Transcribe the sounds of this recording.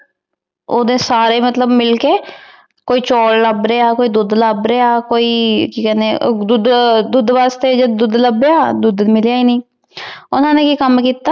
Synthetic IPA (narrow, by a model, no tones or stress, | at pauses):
oːd̪ẽːsaːɾeːmət̪ləbmɪlkeː | koːiːt͡ʃɔːlləbɾeːaːkoːiːd̪ʊd̪ləbɾeːaːkoːiːkiːkɛːneːd̪ʊd̪d̪ʊd̪ʋaːst̪eːd͡ʒed̪ʊd̪ləbeaːd̪ʊd̪mɪljaːiːnĩː | ʊnãːneːkiːkəmkiːt̪aː